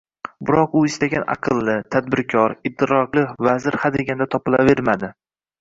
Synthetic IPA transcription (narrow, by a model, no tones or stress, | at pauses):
bʊɾɒqʊɪst̪aɡʲanʔa̰qʰɨlˠːɪt̪ʰad̪̚bɪɾkʲʰɒɾɪd̪ːɪɾɒqlˠɪvazɪɾhad̪eɡʲand̪at̪ʰɒpɪlaveɾmad̪ɪ